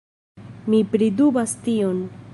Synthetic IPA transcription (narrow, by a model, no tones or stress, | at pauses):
mipɾidubastion